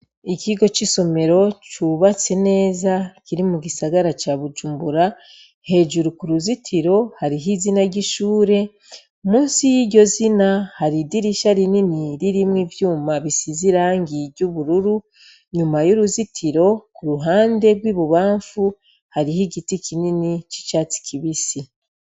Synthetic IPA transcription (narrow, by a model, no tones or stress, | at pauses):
iciɡo̞t͡ʃiso̞me̞ɾo̞t͡ʃuβat͡se̞ne̞ːzakiɾimuɡisaɡaɾat͡ʃaβud͡ʒuːmbuɾa | he̞ːʒuɾukuɾuzitʰiɾo̞haɾiɦizinaɟiʃuːɾe̞ | omuːnsijiɟo̞zinahaɾidiɾiʃaɾininiɾiɾimwiːvjuːmaβisiziɾaːŋɡiɾɟuβuɾuɾu | ɲumajuɾuzitʰiɾo̞kuɾuɦaːnde̞ɡwiːβuβaːɱfu | haɾiɦiɡitikininit͡ʃi̥t͡ʃaːt͡si̥kʰiβisi